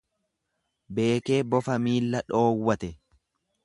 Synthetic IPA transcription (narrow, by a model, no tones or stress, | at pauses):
be̞ːke̞ːbɔfɐmiːlːɐᶑo̞ːwːɐt̪ɛ